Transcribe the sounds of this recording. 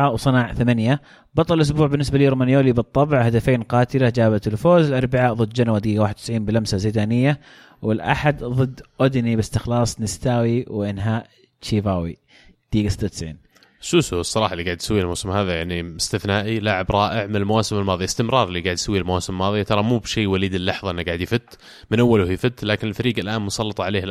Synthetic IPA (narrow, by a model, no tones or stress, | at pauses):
awsˤɨnaːʕθamanja | bɑt̪ˤːɑlʔʊs̬buːʕbɪnːɪs̬baliːɾˤmaːnjoːliːbɨt̪ˤːɑbʕhad̪afeːnqɑːt̪ɪlad͡ʒaːβat̪ɪlfoːzɪlʔɑɾˤbɪʕaːʔðˤɨd̪ːd͡ʒanwad̪ɡiːɡawaːħɪd̪̚t̪ɪsʕiːnbɪlamsazeːd̪aːnɪjːa | wɪlʔa̰ħad̪ðˤɨd̪ːʔʊd̪nibɪst̪ɪxlɑːsˤnɪst̪aːwiwʔɪnɦaːʔ | t͡ʃiːvaːwḭ | d̪̥iːɡasɪt̪ːat̪ɪsʕḭːn | ʃuːsusˤːɑɾˤɑːħɑʔlːiɡaːʕɪd̪jsawːilmawsɪmɦaːðajaʕniɪst̪ɪθnaːʔilaʕɪbɾˤɑːʔɪʕmɪnɪlmawaːsɪmɪlmɑːðˤjaɪst̪ɪmɾɑːɾˤɪlːiɡaːʕd̪jsawːilmawaːsɪmɪlmɑːðˤijat̪ɑɾˤɑmuːbʃiːwaliːd̪ɪlːɑħðˤɑʔɪnːaɡaːʕɪd̪jɪfɪt̪ː | mɪnʔawːalʊhjɪfɪt̪ːlaːkɪnɪlfaɾiːɡalʔaːnmʊsˤɑlːɑt̪ˤɑʕaleːh